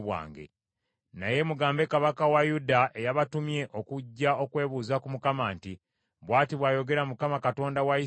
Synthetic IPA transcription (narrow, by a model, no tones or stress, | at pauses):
wa̰ːŋɡe̞̰ | na̰je̞muɡaːmbe̞kaβakawajudaʔe̞jaβatumje̞ʔokuɟːao̞kwe̞ːβuːzakumukamaːnti | βwaːtiβwaːjo̞ɡe̞ɾamukamakato̞ːndawai